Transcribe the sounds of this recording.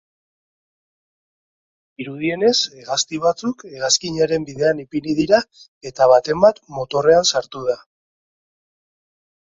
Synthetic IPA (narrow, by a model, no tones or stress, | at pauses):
iɾuðie̞ne̞seɣast̪iβ̞at͡suke̞ɣaskiɲaɾe̞mbiðe̞anipinið̞iɾa | e̞t̪aβ̞at̪e̞mbat̪mo̞t̪o̞re̞ansaɾt̪uð̞a